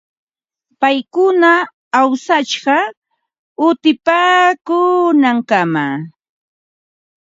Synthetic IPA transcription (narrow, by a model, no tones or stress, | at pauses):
pajkʊnaː | wsat͡ʃɢɑ | ʊt̪ɪpaːkʊnaŋkama